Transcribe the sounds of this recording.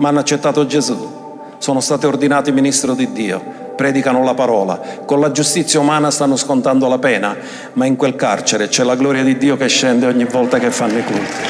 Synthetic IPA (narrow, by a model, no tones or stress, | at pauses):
manːʊat͡ʃːet̪ːaːt̪ʊd͡ʒezu | sɔːnʊst̪aːt̪iord̪inaːt̪iminist̪ɾod̪id̪ːiːo̰ | pɾɛːd̪ikanʊlapaɾɔːla̰konlad͡ʒust̪it̪sːjaumaːnast̪anːʊskont̪and̪olapɛːna | maiŋkwelka̰rt͡ʃɪɾet͡ʃɛlːaɡlɔːɾjad̪id̪ːiːokeʃːɛnd̪eɔɲːivːɔlt̪akefːanːʊikṵlt̪i̥